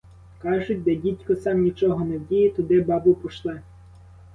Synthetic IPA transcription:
kɑʒʊt̚ʲd̪ɛdʲitʲkɔsɑmnʲit͡ʃɔɦɔnɛwdʲijɛt̪ɔd̪ɪbɑbʊpɔʃlˠɪ

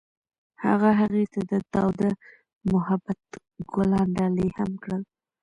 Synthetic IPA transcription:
ha̰ɣaɦaɣet̪ad̪ət̪awd̪a | mʊhabat̪ | ɡʊlɑɳɖɑlihamkɽəl

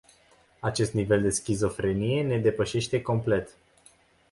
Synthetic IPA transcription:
at͡ʃe̞st̪nive̞ld̪e̞skʲizo̞fɾe̞nije̞ne̞d̪e̞pəʃe̞ʃt̪e̞ko̞mple̞t̪

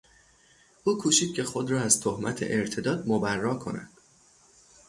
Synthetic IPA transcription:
ʔuːkʰuːʃiːd̪̥̚cʰe̞xo̞d̪ɾɒːæzt̪ʰohmæt̪ʰḛʔeɾt̪ʰe̞d̪ɒːd̪mobærːɒːkʰo̞̰næ̰d̪̥

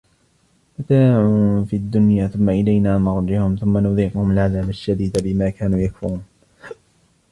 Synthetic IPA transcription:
mat̪aːʕufiad̪ːʊnjaːθʊmːaʔɪlajnaːnɑɾˤd͡ʒɪhʊmθʊmːanʊðiːqʊhʊmalʕaðaːbaʃːad̪iːd̪abɪmaːkaːnuːjakfʊ̰uːn

